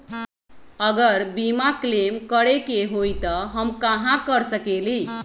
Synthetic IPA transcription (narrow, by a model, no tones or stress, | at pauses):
əɡəɾbimaklemkəɾekeɦojt̪ʌɦəmkãɦãkəɾsəkeli